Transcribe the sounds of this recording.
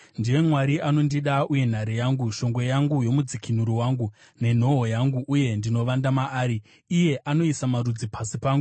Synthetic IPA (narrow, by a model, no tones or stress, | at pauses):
ndiwe̞mwaɾiʔano̞ndiɗauje̞n̤aɾejaːŋɡuʃo̞ŋɡwe̞jaŋɡujo̞mud͡zikʰin̤uɾiwaːŋɡu | ne̞n̤o̞ɦojaŋɡuʔːje̞ndino̞ʋandamaaːɾiː | je̞ʔano̞isamaɾud͡zipʰasipaːŋɡu